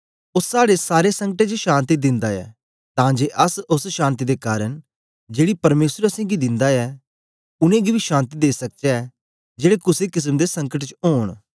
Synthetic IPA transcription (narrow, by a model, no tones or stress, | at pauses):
ʊsːaːɽesaːɾesɐ̃ŋkəʈet͡ʃʃãːnt̪id̪ɪ̃nd̪aɛ̰ː | t̪ãːd͡ʒeːʔɐsʊsʃãːnt̪id̪ekaːɾəɽ | d͡ʒeːɽipɐɾmeːsɾəsɛ̃ːɡid̪ɪ̃nd̪aɛː | ʊnẽɡibʱiʃãːnt̪id̪eːsɐk̚t͡ʃeɛ | d͡ʒeːɽekʊsekɪs̬əmd̪esɐ̃ŋkəʈt͡ʃɦoːɳ̃